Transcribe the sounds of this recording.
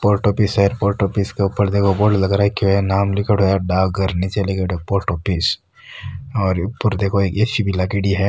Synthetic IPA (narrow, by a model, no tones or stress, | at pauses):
poːɾʈoːpɪsaɛɾpoːɾʈoːpɪskeupəɾd̪eːkʰoboːɖlɐɡɾaɦɛkinaːmlɪkʰəʈɦojaɖaːɡɐɾnit͡ʃeleɡeɖepoːɾʈoːpɪs | ɔːɾpəɾd̪eːkʰoeːkeʃibʱɪlakiɖiɦɛ